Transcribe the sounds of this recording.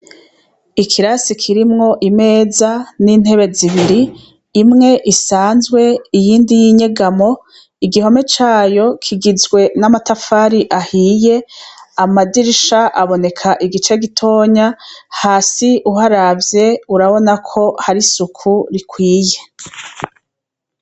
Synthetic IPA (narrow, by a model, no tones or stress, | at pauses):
ikʰiɾasikʰiɾimŋo̞ʔime̞ːzanin̥he̞βe̞ziβiɾiː | mŋe̞ʔisaːnzɡwe̞ijiːndijiɲe̞ɡamo̞ | iɡiɦo̞me̞t͡ʃaːjo̞kʰiɡizɡwe̞namatafaːɾiʔahiːje̞amadiɾʃaʔaβo̞ne̞kʰaʔiɡit͡ʃe̞ɡitʰo̞ːɲahaːsiʔuɦaɾavje̞uɾaβo̞nakʰo̞haɾisukʰuɾikʰwiːje̞